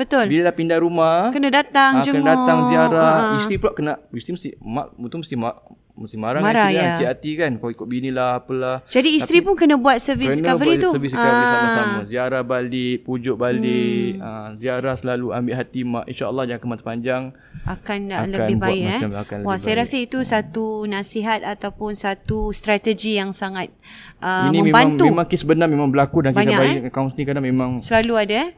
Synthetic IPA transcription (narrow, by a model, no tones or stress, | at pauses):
bət̪ʊlbiləlahpindaɾumahkənadat̪aŋd͡ʒəandat̪aŋziaɾahist̪ɾipulaʔkənaist̪ɾiməst̪ɪmaʔut̪uməst̪imaʔ | məst̪imaɾamaɾajaat̪ihat̪ikankaikʊt̪̚binilahapəlahd͡ʒadiːst̪ɾipʊnkənãbuat̪̚səvisənkavəɾit̪usviskaisaamaziaɾahbalɪʔpud͡ʒʊʔbalɪəziaɾahsəlalua̰mbɪʔɦat̪imaʔḭnʃaəlˠːɑhd͡ʒakanmat̪u̥paɲd͡ʒaŋ | ʔakkanaləbɪbaiɛakanlwasajaɾasəit̪usat̪unasiɦat̪̚at̪awpʊnsat̪ust̪ɾat̪əd͡ʒijaŋsaŋat̪̚ | ʔəimniəmẽbaanŋt̪uemãŋkisbənamẽmãŋbəlakudankbaɲɲakakaũnsnĩkanamẽmãŋsəlaluada